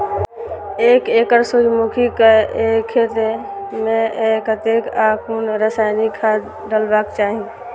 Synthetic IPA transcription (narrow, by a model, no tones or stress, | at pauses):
eːkeːkəɾsud͡ʒmukʰikəekʰːeːt̪emẽekət̪ekaːkunɾəsaːɪnikʰːaːd̪ | ɖəlbakt͡ʃaːɦĩ